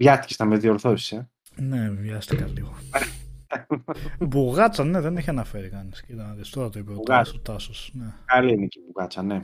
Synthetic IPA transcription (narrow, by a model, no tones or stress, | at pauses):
vʝɐst̪icest̪ɐmezðioɾθo̥sɐ | nevjɐst̪ikɐliɣo | buɣɐt͡sɐne̞ðeneçiɐnɐfe̞ɾikɐniscit̪ɐɐðist̪oɾɐt̪oipioɐsot̪ɐsosnekɐliinecibuɣɐt͡sɐne